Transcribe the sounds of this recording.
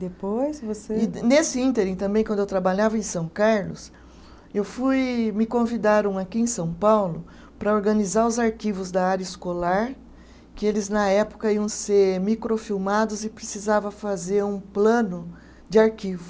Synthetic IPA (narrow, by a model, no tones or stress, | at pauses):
d̪epojsvoseɪnesɪĩnt̪eɾĩt̪ɐ̃mbẽj̃kɐ̃d̪ewt̪ɾabaʎavɐẽj̃sɐ̃w̃kaɾlʊ̰s | ewfujmɪkõvid̪aɾɐ̃w̃akiẽj̃sɐ̃w̃pawlʊ | pɾɐoɾɡɐnizaɾʊzaɾkivʊzd̪ɐaɾjɐɪskolaɾ | kɪelɪznɐɛpʊ̥kɐiɐ̃w̃seɾmikɾofiwmad̪ʊzɪpɾesizavɐfazeɾũplɐ̃nʊ | d͡ʒɪaɾkivʊ